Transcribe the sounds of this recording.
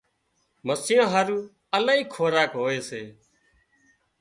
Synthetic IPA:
məsɪjãːɦaɾuː | əlaːiːkʰoːɾaːkɦoːeːseː

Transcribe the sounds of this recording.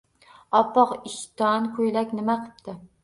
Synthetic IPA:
ɑpːɑqɪʃt̪ɑnkʰojlækʲnɪmaqʰɨ̥p̚t̪ʰɪ

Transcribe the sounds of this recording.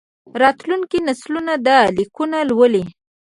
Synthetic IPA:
ɾɑt̪luŋkinaslunad̪alikunalwəli

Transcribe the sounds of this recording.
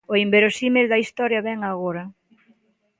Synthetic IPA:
oimbeɾosimeld̪ɐist̪ɔɾjɐβɛŋaɣoɾɐ

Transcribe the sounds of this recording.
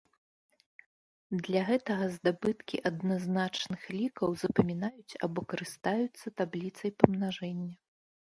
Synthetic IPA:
d̪lʲɐɣɛt̪ɐɣɐzd̪abɨt̪kʲiʔɐd̪naznat͡ʂnɨxlʲikɐwzɐpɐmʲinajut͡sʲa̰bɔkɐɾɨst̪ajut̪sːɐt̪ablʲit̪sɐjpɐmnaʐɛnʲːɐ

